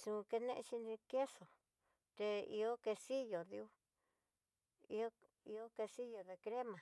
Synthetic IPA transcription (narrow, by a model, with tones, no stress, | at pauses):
sũ˨˧ke˧nẽ˦ʔʃi˧ni˧ke˦so˨ | t̪e˧ḭ˧o˦ke˧si˦jo˨ði˧u˦ | i˧o˦ | i˧o˦ke˧si˦jo˨ðe˧kɾe˦mã˨